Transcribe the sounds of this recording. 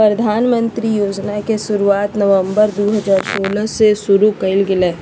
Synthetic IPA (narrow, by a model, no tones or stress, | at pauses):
pɾɐd̪ʱaːnmə̃nt̪ɾijoːd͡ʒnakesʊɾuaːt̪nɐʋə̃mbəɾd̪oːɦɐzaːɾsoːləsesʊɾukɐɪlɡɪleː